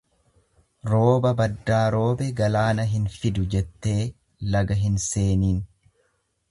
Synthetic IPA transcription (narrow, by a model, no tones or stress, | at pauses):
ɾo̞ːbɐbɐd̪ːaːɾo̞ːbɛɡɐlaːnɐɦɪnfɪd̪ʊd͡ʒɛt̪ːe̞ː | lɐɡɐɦɪnse̞ːniːn